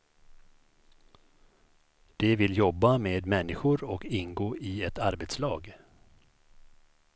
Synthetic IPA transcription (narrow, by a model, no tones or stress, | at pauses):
d̪̥ɛvɪljɔbːameːd̪mɛnːɪɧʊɾɔkɪnɡoːʔɪɛt̪aɾbeːt̪slɑːɡ